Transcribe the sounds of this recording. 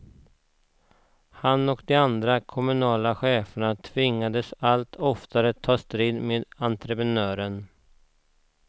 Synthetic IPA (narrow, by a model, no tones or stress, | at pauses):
hanɔkd̪ɛand̪ɾakʰɔmɵnɑːlaɧeːfəɳat̪ʰvɪŋːad̪əsalt̪ʰɔft̪aɾət̪ʰɑːst̪ɾiːd̪meːd̪ant̪ɾɛpɾɛnœːɾən